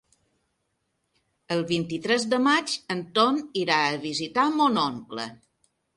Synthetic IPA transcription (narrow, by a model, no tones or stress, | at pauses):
əlˠβint̪it̪ɾɛzðəmad͡ʒənt̪oniɾaəβizit̪amonoŋklə̰